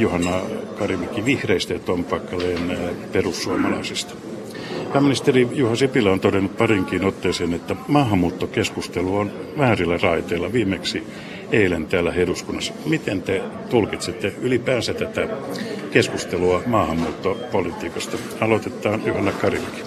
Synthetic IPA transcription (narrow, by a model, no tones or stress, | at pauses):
juhɑnːɑkɑrimikiʋihreist̪æjɑt̪ompɑkːɑleːnperusːuɑmɑlɑ̰isist̪ɑ̥ | pæːmːinist̪erijuhɑsipilːæont̪odenup̪̚pɑriŋkiːnot̪ːeiseːnet̪ːæmɑːhɑmːuːt̪ːokeskust̪eluonʋæhæːrilːærɑit̪eːlːɑʋiːmeksi | eilent̪æːlːæheɾuskunːɑsːɑ̥mit̪ent̪et̪ulkit̪sit̪ːeylipæːsæt̪æt̪ækeskust̪eluɑmɑːhɑmːuːt̪ːopolit̪iːkɑst̪ɑ | ɑlot̪et̪ːˑɑːnjuhɑnːɑkɑrimiki̥